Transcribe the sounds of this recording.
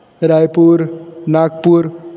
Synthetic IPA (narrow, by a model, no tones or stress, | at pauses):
ɾajpuɾnak̚puɾ